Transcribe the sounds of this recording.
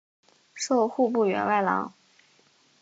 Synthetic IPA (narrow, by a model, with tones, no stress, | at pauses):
ʂo˥˧ʊxu˥˧pu˥˩ɥɛ̰˧˥nwa˥˩ɪlɑ̰˧˥˦ŋ